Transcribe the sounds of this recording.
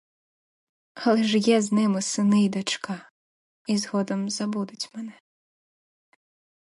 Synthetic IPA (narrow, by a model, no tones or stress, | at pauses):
ɐlˠɪʒjɛznɪmʊsɪnɪjd̪ɐt͡ʃkɑ | izɦɔd̪ɔmzɐbud̪ʊt͡sʲmɛnɛ